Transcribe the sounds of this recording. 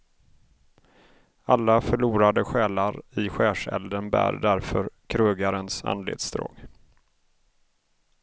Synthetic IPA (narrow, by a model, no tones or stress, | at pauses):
alːafœɭuːɾad̪əɧɛːlaɾɪɧɛːʂɛ̰ld̪ənbæ̰ːɾd̪æɾfœɾkʰɾɵːɡaɾənsa̰nd̪lḛːt̪sd̪ɾo̰ːɡ